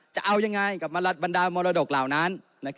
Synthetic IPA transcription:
t͡ɕa˨˩ʔa˧wja˧ŋːa˧jka˨˩p̚ma˧la˦˥t̪̚ba˧ndaː˧mɔː˧ɾaː˧do˨˩k̚laː˨˩wna˦˥nː | a˦˥k

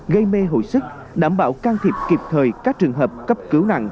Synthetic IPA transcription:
ɣə˧jme˧ɦo̰˧˨jsɨ˦˥k̚ | ɗaː˧˩mɓa̰ː˧˩wkaː˧ŋt̪ʰi˨˩p̚ki˨˩p̚t̪ʰəː˨˩jkaː˦˥k̚t͡ɕɨ˨˩əŋɦəː˨˩p̚kə˦˥p̚kɨ˨˦wna̰˧˨ŋ

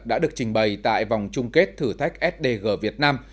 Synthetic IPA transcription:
k̚ɗa̰ː˧˥ɗɨ˨˩ək̚t͡ɕï˨˩ŋ̟ɓə˨˩jt̪a̰ː˧˨jva˨˩wŋ͡mt͡ɕʊ˧ŋ͡mke˦˥t̚t̪ʰɨː˧˩t̪ʰa˦˥jk̟̚ʔɛ˦˥t̚ɗe˧˩ɣəː˧˩vi˨˩ət̚naː˧m

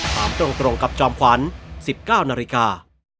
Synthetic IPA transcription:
saː˩˦mt̪ɾo˧ŋt̪ɾo˧ŋka˨˩p̚t͡ɕɔː˧mkʰwa˩˦˥nsi˨˩p̚kaː˥˩wnaː˧li˦˧˥kaː˧

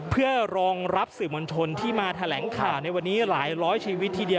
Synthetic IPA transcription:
pʰɯ˥˩əɾɔː˧ŋɾa˦˥p̚sɯː˨˩mo˧nt͡ɕʰo˧nt̪ʰiː˥˩maː˧t̪ʰa˧lɛː˩˦ŋkʰaː˨˩wna˧jwa˧nːiː˦˥laː˩˦jɾɔː˦˥jt͡ɕʰiː˧wi˦˥t̪ʰːiː˧di˧ə

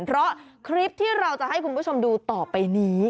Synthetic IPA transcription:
pʰɾɔ˦˥kʰɾi˦˥p̚t̪ʰiː˥˩ɾa˧wt͡ɕa˨˩ʔha˥˩jkʰu˧npʰu˥˩t͡ɕʰo˧mduː˧t̪ɔː˨˩pa˧jniː˦˥

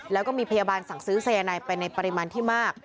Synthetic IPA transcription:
lɛː˦˥wkɔː˥˩miː˧pʰa˧jaː˧baː˧nsa˨˩˦ŋsɯː˦˥sa˧jaː˧naː˧jpa˧jna˧jpa˧ɾi˦maː˧nt̪ʰiː˥˩maː˥˩k̚

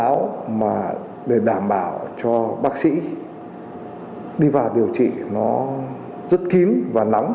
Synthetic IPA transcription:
a̰˧˥wmaː˨˩ | ɗe˧˩ɗaː˧˩mɓaː˧˩wt͡ɕɔ˧ɓaː˦˥k̚sḭ˧˥ | ɗi˧vaː˨˩wɗi˨˩əwt͡ɕḭ˧˨nɔ˨˦ | zə˦˥t̚ki˨˦nvaː˨˩na˨˦wŋ͡m

